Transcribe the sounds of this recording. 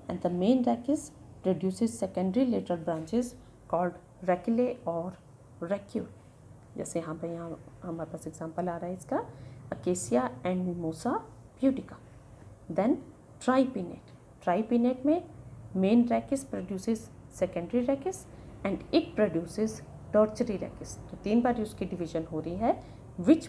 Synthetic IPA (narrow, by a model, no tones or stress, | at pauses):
ɛ̰̃ɳɖd̪əmẽːnɾɛːkɪs | pɾoɖjuːsɪzsɛkə̃ɳɖɾileːʈəɾəlbɾãːɲt͡ʃɪz | kɔːlɖ | ɾɛkleɔːɾ | ɾɛkjoː | d͡ʒɛ̰ːseɦãpɐjɐɦãhɐmaːɾepaːsɪɡzãːmpəlaːɾaɦɛɪskaɐkeːsijaɛ̃ːɳɖmimoːsa | bjuːʈɪka | d̪ɛ̃n | ʈɾaːɪpiːnḛːʈ | ʈɾaːipineʈmẽmeːnɾɛːkɪspɾoɖjuːsɪzsɛkə̃ɳɖɾiɾɛːkɪsɛ̃ːɳɖɪʈ̚pɾoɖjuːsɪz | ʈɔːɾt͡ʃəɾiɾɛ̰ːkɪst̪ot̪iːnbaːɾiʊskiɖɪʋɪʒənɦoːɾɐiɦɛ | ʋɪt͡ʃ